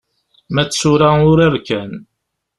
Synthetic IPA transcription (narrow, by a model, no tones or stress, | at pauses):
mæt͡sːsʊɾaʊɾəɾkæn